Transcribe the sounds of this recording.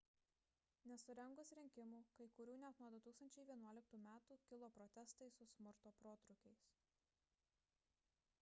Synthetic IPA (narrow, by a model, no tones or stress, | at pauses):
nʲɛsʊɾʲɛŋɡʊsɾʲɪŋʲkʲɪmuːkɐɪkʊɾʲuːnʲɛt̪nuɔd̪ʊt̪uːkst̪ɐnʲt͡ʃʲɛɪʋʲiɛnuɔlʲɪk̚t̪uːmʲæːt̪uːkʲɪlˠoːpɾɔt̪ʲɛst̪ɐɪsʊsʲmʊɾt̪oːpɾoːt̪ɾʊkʲɛɪs